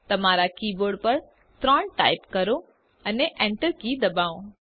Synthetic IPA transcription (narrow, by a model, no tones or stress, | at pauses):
t̪ɐmaːɾakiːboːɾɖpɐɾ | t̪ɾəɳʈa̰ːɪpkɐɾo | ɐneʔẽɳʈəɾkiːd̪ɐbaːõ